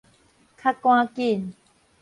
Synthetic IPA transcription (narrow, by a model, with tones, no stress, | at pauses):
kʰa˦kw̃ã˦ki˦˨n